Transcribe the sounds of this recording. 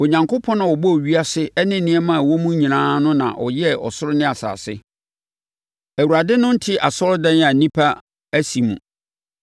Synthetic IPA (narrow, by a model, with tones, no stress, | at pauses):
o˨ɲã˨ŋkʰo˦pʰɔ̃˦nã˨ɔ˨bɔ˦˨ɥi˦a˦sɪ˦ɛ˦nɪ̃˦˨nɪ̃˦ɛ˦mã˦˨wɔ˦mũ˦ɲĩ˨nãː˦nʊ̃˦nã̰˨ʔɔ̰˨jɛ˦ɔ̰˨sʊ˦ɾʊ˦nɪ̃˦a˨sa̰ː˨sɪ̰˦ | æ˨wu˨ɾa˨dɪ˦nʊ̃˦n̩˦tʰɪ˦ʔa̰˨sɔ˦ldɛ̃˦n˦ã˨nĩ˦pʰa˦ | æ˦si˨mṵ̃˨